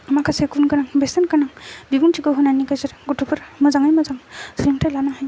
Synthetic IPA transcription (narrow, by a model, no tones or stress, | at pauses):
makʰasekunkanaŋbesankanaŋbibuŋtʰiɡɔɦɯnaniɡazɯɾɡutupʰɯɾmɯzaŋajmazaŋsiɾiŋtʰajlanaɦaj